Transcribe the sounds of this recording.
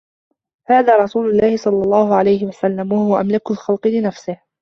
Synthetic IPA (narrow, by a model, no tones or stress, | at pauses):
haːðaːɾˤɑsuːlʊlːɑːhɪsˤɑlːɑlˤːɑːhʊʕalajhɪwasalːamwahʊwaʔamlɪkalxɑlqɨlɪnafsɪh